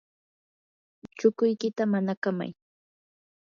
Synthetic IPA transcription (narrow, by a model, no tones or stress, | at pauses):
t͡ʃʊkʊjkɪt̪amanakama̰j